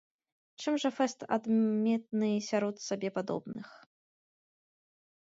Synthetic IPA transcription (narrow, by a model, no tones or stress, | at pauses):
t͡ʂɨmʐɐfɛst̪a̰d̪mʲɛt̪̚nɨsʲaɾɔt̪sabʲɛpad̪ɔ̰bnɨx